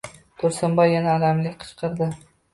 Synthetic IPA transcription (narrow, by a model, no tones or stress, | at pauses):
t̪ʰʊɾsɪmbɒjːanaːlamlɪkʲqʰɨ̥t͡ʃqʰɨɾd̪ɪ